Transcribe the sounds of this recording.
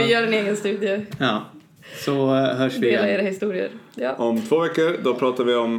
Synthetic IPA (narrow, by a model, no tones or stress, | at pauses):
ɪjœːɖɛneːɡənst̪ʉ̟ːd̪ɪəjɑː | sɔɦœːʂdvɪeːlaɾeːɾahɪst̪uːɾɪə̰ɾʔɔmt̪ʰvoːvɛkːəɾd̪ɔpʰɾɑːt̪aɾvɪɔm